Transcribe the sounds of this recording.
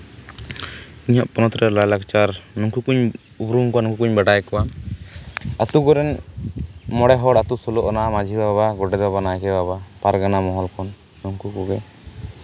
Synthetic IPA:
iɲaʔpɔnɔt̪ɾɛlalakt͡ʃaɾnɔŋkukuɲ | ubɾuŋkɔanɔŋkukuɲbaɖajkɔwa | at̪ukɔɾɛn | mɔɽɛɦɔɽat̪usɔlɔʔɔnaʔmad͡ʒʱibaβaɡɔɖɛd̪babanakɛbaβapaɾɡanamɔɦɔlkʰɔn | nɔŋkukuɡɛ

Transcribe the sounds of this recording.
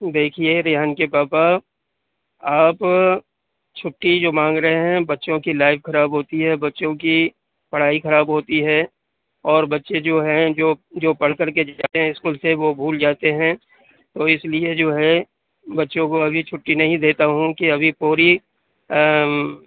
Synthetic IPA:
d̪eːkʰieɾɪɦənkepaːpa | aːp | t͡ʃʰʊʈːid͡ʒoːmãːŋɡɾəɦeɦɛ̃bɐtːʃõkilaːɪfxɐɾaːbɦoːt̪iɦɛbɐtːʃõki | pɐɽ̤aːixɐɾaːbɦoːt̪iɦɛ | ɔːɾbɐtːʃed͡ʒoːɦɛ̃d͡ʒoːd͡ʒoːpɐɽ̤kəɾked͡ʒaːeɦɛ̃ɪskuːlseʋobʱuːld͡ʒaːt̪eɦɛ̃ | t̪oːɪslied͡ʒoːɦɛ | bɐtːʃõkoɐbʱit͡ʃʰʊʈːinɐɦĩd̪eːt̪aɦũkiɐbʱipuːɾi

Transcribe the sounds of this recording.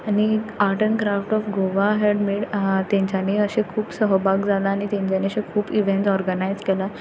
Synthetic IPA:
aniaʈənkɾafʈɔfɡoʋaɦeɖmiːɽt̪jãɲt͡ɕjaniəɕẽkʰuːpsəɦəbaɡd͡zʱalaːñit̪jãɲt͡ɕjaniəɕẽkʰuːpiʋẽɳʈɔɾɡənajd͡zkɛla

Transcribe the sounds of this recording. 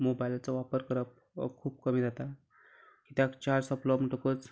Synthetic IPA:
mobailat͡sɔʋapəɾkəɾəp̚ | kʰuːbkəmiːd͡zʱat̪a | kit̪jakt͡ɕaɾsəplɔmiʈəkot͡s

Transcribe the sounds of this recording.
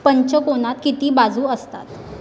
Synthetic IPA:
pəɲt͡ɕəkoɽ̃at̪kit̪iːbad͡zuːəst̪at̪

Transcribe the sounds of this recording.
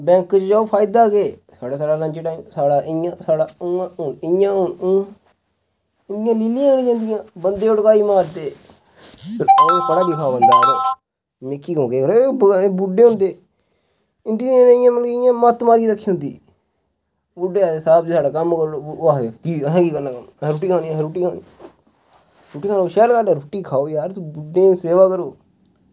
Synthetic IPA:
bɛ̃ːkt͡ʃd͡ʒaːopʰaːɪd̪aːɡeːsaːɽaːsaːɽaːlənt͡ʃːʈaːimsaːɽaːʔɪjãːsaːɽaːãːʊnɪjãːɦʊnː | ɪjãːliːlijãːnĩːd͡ʒãːnd̪ɪjãːbənd̪eːʊɽkaːiːmaːɾt̪eː | pʰɪɾoːpəɽaːd̪ɪkʰãːbənd̪aːɾeː | mekʰːiːɡõːkeːkəɾobəːɾeːbʊɖeːɦʊ̃nd̪eː | ɪnd̪iːnãnẽɪjãːmənkeɪjãːmət̪maːɾiːɾəkʰːiːɦʊ̃nd̪iː | bʊɖeːasaːbd͡ʒisaːɖaːkəmkəɾokiːɦãːkiːkənaːkəmɾoʈiːkʰaːniaɾuːʈiːkʰaːni | ɾuʈːiːkʰaːnoʃɛːlkaːlːɾʊːʈiːkʰaːoːjaːɾt̪obʊɖẽːseːʋaːkəɾoː

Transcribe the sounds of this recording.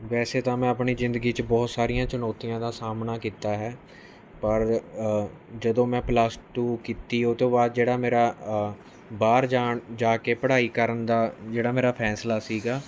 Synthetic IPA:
ʋɛːseːt̪ãːmɛ̃ːəpɳiːzɪ̃nd̪əɡiːt͡ʃbɔːt̪saːɾijãːt͡ʃənɔːt̪ijãːd̪aːsaːmnaːkiːt̪aːɦɛː | pəɾ | d͡ʒəd̪õːmɛ̃ːplaːsʈuːkiːt̪iːot̪õːbaːd̪̚d͡ʒeːɽaːmeːɾaː | baːɾd͡ʒaːɳd͡ʒaːkeːpəɽaːiːkəɾənd̪aːd͡ʒeːɽaːmeːɾaːpʰɛːslaːsiːɡaː

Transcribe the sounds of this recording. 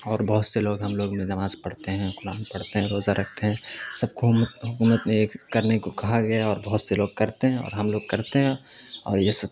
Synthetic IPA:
ɔːɾbɐɦʊt̪seloːɡɦɐmloːɡmẽnɐmaːzpɐɽt̪eɦɛ̃qʊɾaːnpɐɽ̤t̪eɦɛ̃ɾoːzaɾɐk̚ʰt̪eɦɛ̃ːsɐb̚k̪ɦʊkuːmət̪meeːkkɐɾnekokɐɦaɡɐjaɔːɾbɐɦʊt̪seloːɡ̚kɐɾt̪eɦɛ̃ɔ̰ːɾɦɐmloːɡ̚kɐɾt̪eɦɛ̃ | ɔ̰ːɾjesɐb

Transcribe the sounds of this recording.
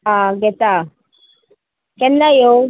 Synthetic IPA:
aɡɛt̪a | kɛnːajo

